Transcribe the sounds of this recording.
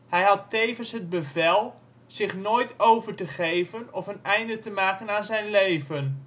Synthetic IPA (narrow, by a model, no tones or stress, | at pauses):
hɛjɦɑtːeːvənsɦəd̚bəvɛlˠ | z̥ɪχnoːjtowvəɹtəχejvənɔfənɛjndətəmaːkənaːnzɛjnleːvən